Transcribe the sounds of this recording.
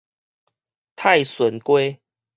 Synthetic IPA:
t̪ʰa˥˨ɪswə˨˦nkwe˦

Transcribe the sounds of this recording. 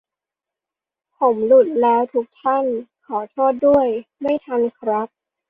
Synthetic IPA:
pʰo˩˦mlu˨˩t̪̚lɛː˦˥wt̪ʰu˦˥k̚t̪ʰa˥˩nkʰɔː˩˦t̪ʰoː˥˩t̪̚du˥˩əjma˥˩jt̪ʰa˧nkʰɾa˦˥p̚

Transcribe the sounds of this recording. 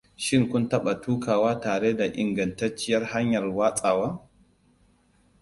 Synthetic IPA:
ʃɪ˦ŋkʷʊ˦ntɐ˦ɓa˨tuː˦kaː˨waː˦taː˨ɽeː˦da˨ʔɪ˨ŋɡɐ˨ntɐ˦t͡ʃːɪ˦jɐ˦rha˦ɲjɐ˨rwaː˦sʼaː˨waː˦

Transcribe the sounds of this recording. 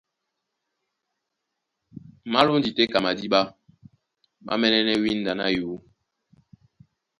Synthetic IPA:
ma˦lo˦n˦di˨te˦ka˨ma˨di˦ɓa˦ | ma̰˦mɛ˦nɛ˦nɛ˦wi˦n˦da˨na̰˦juː˨˦

